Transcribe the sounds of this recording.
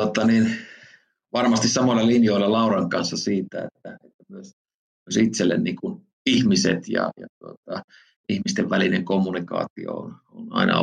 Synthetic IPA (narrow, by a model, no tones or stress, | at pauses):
ot̪ːɑnin | ʋɑrmɑst̪issɑmolːɑlinjoilːɑlɑurɑŋkɑnsːɑsiːt̪æḛt̪ːæet̪ːæmyøs | myøsit̪selːḛnniːkun | ihmisḛt̪jɑ̰jɑt̪uot̪ɑ | ihmist̪eʋʋælineŋkomːunikɑ̰ːt̪io̰ononɑ̰inɑ̰